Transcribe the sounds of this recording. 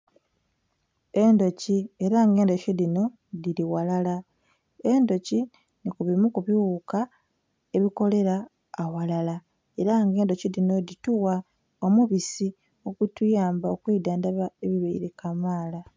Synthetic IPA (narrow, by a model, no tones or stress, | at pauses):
e̞ndo̞cie̞ɾaŋɡeːndo̞colino̞ | ðiɾiwalala | e̞ndo̞ci | nikuβimukuβiuka | e̞βiko̞le̞ɾaː | walala | e̞ɾaŋɡe̞ːndo̞cilino̞dituwa | omuβisi | okutujaːmbaokwiːdaːndaβaeβiβaḭɾekamaːla